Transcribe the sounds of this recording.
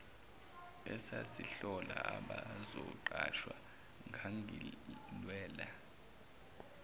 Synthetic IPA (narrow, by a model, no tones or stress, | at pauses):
ɛsasiɬɔlaaɓazɔǃaʃwa | ŋʱaŋʱilwɛːla